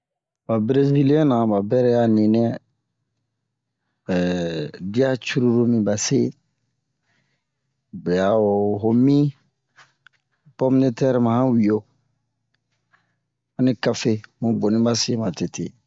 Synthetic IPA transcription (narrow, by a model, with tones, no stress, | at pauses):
ba˨bɾe˦zi˦li˦ẽ˦nã˨ba˨bɛ˦ɾɛ˦ja˦ni˨nɛ˦ | di˦a˦t͡ʃu˦ɾu˦ɾu˦mĩ˦ba˨se˦ | bɛ˨ja˨o˨ɦo˨mĩ˦ | pɔ˦mi˦ni˦tɛ˦ɾimã˨hã˦wi˨jo˦ | ã˦ni˦ka˦fe˦mõ˨bo˨nĩ˦ba˦se˨ma˨te˨tḛ˨